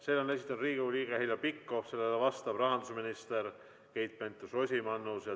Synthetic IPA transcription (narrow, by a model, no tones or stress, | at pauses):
selone̞sʲit̪ːˑɑnud̪riːɡiulʲiːɡ̥ehilʲɑpikːˑofse̞lːelevɑst̪ɑb̥rɑɦɑnd̪usminist̪eɾ | kejt̪̚pent̪ːˑuso̞sʲimɑnːusjɑ